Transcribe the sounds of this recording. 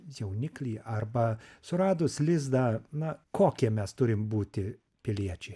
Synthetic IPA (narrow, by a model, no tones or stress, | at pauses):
jɛʊnʲɪklʲiːɐrbɐsʊɾɑːd̪ʊslʲɪzd̪ɐnɐkoːkʲiɛmʲɛst̪ʊɾʲɪmbuːt̪ʲɪ | pʲɪlʲiɛt͡ʃʲɛ